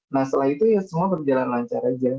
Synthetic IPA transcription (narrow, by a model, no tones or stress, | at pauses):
nahsəlaɦit̪ujasəmuabərd͡ʒalanlaɲt͡ʃaɾad͡ʒa